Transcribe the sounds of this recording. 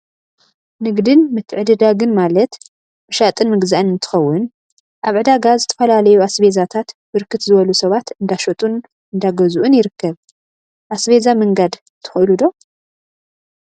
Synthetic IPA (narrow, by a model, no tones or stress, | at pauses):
nɨɡd̪ɨnmɨt̪ʰːʕɨd̪ɨd̪aɡɨnmalɐt̪ | mɨʃat̪ʼɨnmɨɡzaʔɨnɨnt̪ʰɨ̥xɐwːʊn | ʔaβʕɨd̪aɡazɨt̪ʰɐ̥fɐlalɐjuasbezat̪ʰat̪bɨɾkʰɨt̪zɨβɐlusɐβat̪ɨnd̪aʃot̪ʼun | ɨnd̪aɡɐzuʔunjɪɾɨkʰːɐβ | ʔasβe̞zamɨŋɡad̪ | t̪ʰɨ̥xɨʔɨlud̪o̞